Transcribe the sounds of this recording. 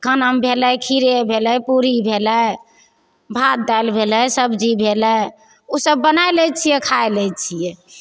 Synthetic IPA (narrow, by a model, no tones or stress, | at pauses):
kənəmbʱeləjkʰiɾebʱeləjpuɾibʱeləj | bʱat̪̚d̪ajlbʱeləsəbd͡ʒibʱelə | osəbːənajlɛt͡ʃʰijɛkʰaelɛt͡ʃʰijɛ